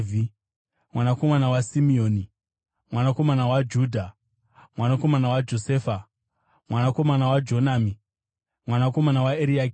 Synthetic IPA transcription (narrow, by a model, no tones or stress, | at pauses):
vi | mwanako̞manawasimioːni | mwanako̞manawad͡ʒuːdʱa | mwanako̞manawad͡ʒo̞seːfa | mwanako̞manawad͡ʒo̞naːmi | mwanako̞manawaeɾiak